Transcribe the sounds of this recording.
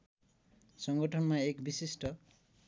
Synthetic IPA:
sɔŋɡʌʈʰɔnmaekbisisʈʌ

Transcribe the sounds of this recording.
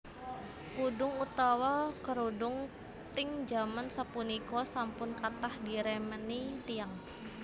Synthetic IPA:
kudʊŋut̪awakəɾudʊŋ | t̪ɪŋd͡ʒamansapunikɔsampʊnkat̪ahdiɾemənit̪iaŋ

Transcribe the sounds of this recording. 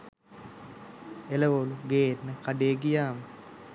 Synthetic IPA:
eləʋoluɡeːetnəkaɖeːɡijaːmə

